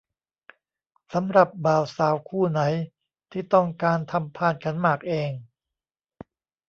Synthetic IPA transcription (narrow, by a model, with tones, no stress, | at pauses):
sa˩˦mɾa˨˩p̚baː˨˩wsaː˨˩˦wkʰuː˥˩na˩˦j | t̪ʰiː˥˩t̪ɔ˥˩ŋkaː˧nt̪ʰa˧mpʰaː˥˩n̚kʰa˦˥nmaː˨˩k̚ʔeː˧ŋ